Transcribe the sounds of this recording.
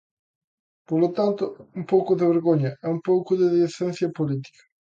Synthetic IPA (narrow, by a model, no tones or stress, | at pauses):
polot̪ant̪ʊumpɔkʊd̪eβeɾɡoɲɐɛumpowkʊðeðieθɛnθjɐpolit̪i̥kɐ̥